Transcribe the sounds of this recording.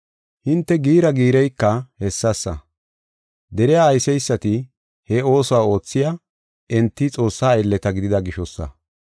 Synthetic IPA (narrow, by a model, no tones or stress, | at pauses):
hɪnt̪ːɛɡiːɾɐɡiːɾɛjkːɐhɛsːɐsːɐ | d̪ɛɾɪjaːjsɛjsːɐt̪ɪ | hɛo̞ːsowao̞ːt͡sːɪja | ʔɛnt̪ːɪt͡sʼo̞ːsːaːɛlːɛt̪ɐɡɪd̪ɪd̪ɐɡɪʃɔsːɐ̰